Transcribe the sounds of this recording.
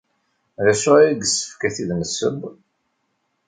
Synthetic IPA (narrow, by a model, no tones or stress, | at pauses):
ðæsʊɾiɡəsːə̥fkæθiðnəsːə̰b